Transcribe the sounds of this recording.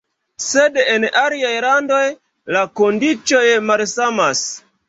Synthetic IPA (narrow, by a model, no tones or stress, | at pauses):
sedenʔaliajlandoj | lakondit͡ʃo̞jmalsamas